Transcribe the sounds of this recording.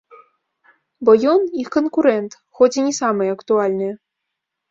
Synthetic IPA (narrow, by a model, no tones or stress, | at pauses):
bojonikonkuɾent̪ | xotʲinʲesaməjɐkt̪ualʲnɨj